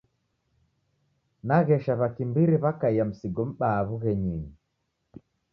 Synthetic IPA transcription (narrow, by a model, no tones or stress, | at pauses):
naɣɛʃaβakimbiɾiβakaiam̩siɡɔm̩ɓaːβuɣɛɲiɲi